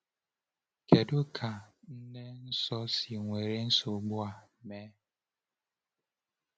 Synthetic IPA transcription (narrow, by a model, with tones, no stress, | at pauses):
ke˨dʊ˦kʰa˨n̩˦ne˦n̩˦sɔ˦si˨ŋʷe˨ɾe˦n̩˦sʊ˨ɡ͡bʊ˦a˨meː˦